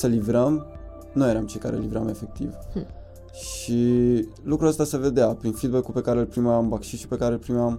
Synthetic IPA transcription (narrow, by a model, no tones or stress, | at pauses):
səlivɾəm | nujeɾamt͡ʃejka̰ɾʔḛlivɾame̞fe̞k̚t̪ḭv | ʃi | lukɾuəst̪ase̞ve̞d̪eapɾinfid̪̚bekːupe̞kaɾeɨlpɾimambakʃit̪ʃi̥pe̞kaɾelpɾimeam